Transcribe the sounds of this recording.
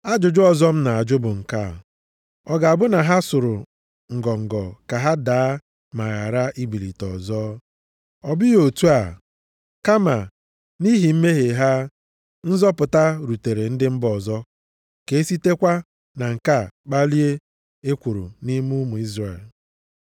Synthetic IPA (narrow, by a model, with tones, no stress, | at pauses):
a˦d͡ʒʊ˨d͡ʒʊ˦ɔ˨zɔ˦m̩˦na˨a˨d͡ʒʊ˦bʊ˨ŋ̩˨ka˦˨ | ɔ˨ɡa˨a˨bʊ˦na˨ɦa˦sʊ˨ɾʊ˨ | ŋ̩˨ɡɔ˨ŋ̩˨ɡɔ˨ka˨ɦa˦daː˨˦ | ma˨ɣa˨ɾa˦ʔi˦bi˨li˨tɔ˨zɔː˦ | ɔ˨bɪ˦jo˨tu˦a˨ | ka˦ma˨ | ni˦ɦi˨m̩˦me˦ɦe˨ɦa˦ | n̩˦zɔ˦pʊ˨ta˦ɾu˨te˨ɾe˨n̩˦dɪ˦m̩˦bɔ˨zɔ˦ | ke˨e˦si˦te˦kʷa˦ | na˨ŋ̩˨ka˦˨k͡pa˦li˦e˦ | e˦kʷu˨ɾṵ˨ni˦mu˦mu˨i˦zɾe˨l